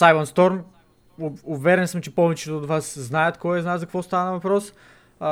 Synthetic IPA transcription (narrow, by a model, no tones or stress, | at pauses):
sajmənst̪ɔɾm | uvɛɾɛnsəmt͡ʃɛpɔvɛt͡ʃɛt̪oːd̪vasznajɐt̪kɔjɛznaszɐkvɔst̪aɐnɐvɐpɾɔs